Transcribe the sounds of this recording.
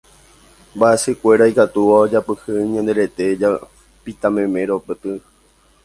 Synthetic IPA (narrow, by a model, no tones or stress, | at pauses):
mbaʔesɨkʷe̞ɾaikat̪uʋaod͡ʒapɨhɨɲãnd̪e̞ɾe̞t̪e̞d͡ʒa | pit̪ãmẽmẽ̞ɾo̞pɨt̪ɨ